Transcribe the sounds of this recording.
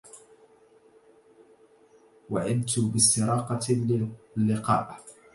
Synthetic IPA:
waʕɪd̪t̪ʊbɪst̪ːɪɾˤɑːqɑ | lːɪqɑ̰ːʔ

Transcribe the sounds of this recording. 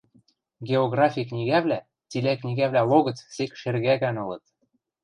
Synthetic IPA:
ɡʲeoɣrɑfʲiknʲiɣæβlæ | t͡silæknʲiɣæβlælˠoɣɤ̆t͡ssekʃerɣæɣænɤ̆lɤ̆t̪̚

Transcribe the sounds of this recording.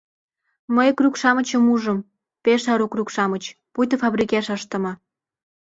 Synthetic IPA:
məjkrukʃɑmə̆t͡ɕəmuʒəm | peʃɑɾokrukʃɑmət͡ɕpujt̪əfɑβrikeʃəʃt̪ə̆mɑ

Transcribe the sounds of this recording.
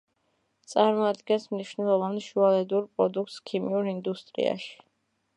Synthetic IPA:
t̪sʼaɾmɔad̪ɡɛnsmniʃnɛlˠɔvanʃualɛd̪uɾpʼɾɔd̪uk̚ʰt̪skʰimiuɾind̪ust̪ʼɾḭa̰ʃi̥

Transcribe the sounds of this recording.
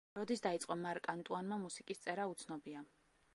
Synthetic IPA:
ɾɔd̪isd̪ait̪sʼqʼɔmaɾkʼant̪ʼuanmamusikʼist̪sʼɛɾaut̪sʰnɔbia

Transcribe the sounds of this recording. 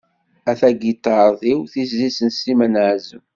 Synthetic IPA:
æθæɡit̪ɑɾˤðˤiwθizːisənsimənʕzəm

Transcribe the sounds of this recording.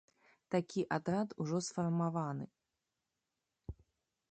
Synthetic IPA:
t̪akʲiʔad̪ɾat̪uʐɔsfɐrmavanɨ

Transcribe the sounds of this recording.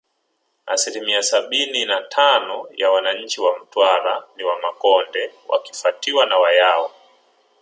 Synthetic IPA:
a̰silimiasaɓininatʰanɔjawanaɲ̩t͡ʃiwam̩twaɾaniwamakɔndɛwʔa̰ki̥fatiwanawajaɔ

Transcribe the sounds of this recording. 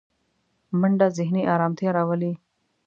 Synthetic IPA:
məɳɖazɪɦniʔɑːɾɑːmt̪ʰijaɾaːwəli

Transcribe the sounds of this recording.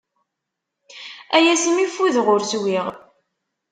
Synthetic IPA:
æjæsəmifːuðʁʊɾswiʁ

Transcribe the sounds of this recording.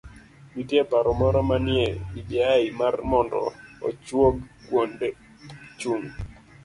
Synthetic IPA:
mitjepaɾɔmɔɾɔmanjɛibjaɪmarmɔndɔ̰ɔ̰t͡ʃwoɡkwonde | t͡ʃuŋ

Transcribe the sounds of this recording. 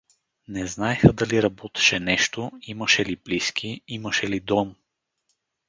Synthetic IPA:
nɛznaɛxəd̪ɐliɾɐbɔt̪ɛ̥ʃɛnɛʃt̪oimɐʃɛlibliskʰiiməʃɛlid̪ɔm

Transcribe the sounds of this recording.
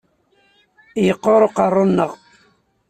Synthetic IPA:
jəqːoɾˤoqɑrˤːonːəʁ

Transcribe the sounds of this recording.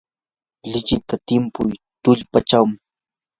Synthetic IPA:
lɪt͡ʃɪt̪at̪ɪmpʊjt̪ʊʎpat͡ʃawmɪ

